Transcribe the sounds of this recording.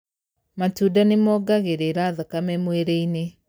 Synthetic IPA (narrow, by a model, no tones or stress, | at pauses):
matudanemɔːɡaɣeɾeɾaːðakamɛmweɾeine